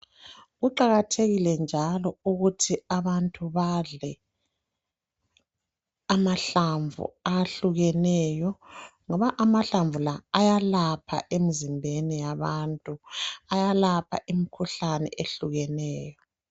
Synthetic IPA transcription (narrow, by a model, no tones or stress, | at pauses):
ɣuǃaɣatʰeɣilɛnd͡ʒʱalɔuɣutʰiaβantʼuβaɮɛ | amaɬaɱvṵaɬuɣɛnɛjɔŋɔβaʔamaɬaɱvulaːjalapʰa̰ʔemizimbʱenijaβantʼuajalapʰa̰ʔimikʰuɬanɛ̰ʔeɬuɣɛnɛːjɔ